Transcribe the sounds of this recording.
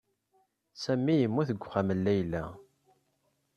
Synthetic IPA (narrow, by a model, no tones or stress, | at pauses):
sæmːijəmːuθəɡʷːχæməlːæjlæ̰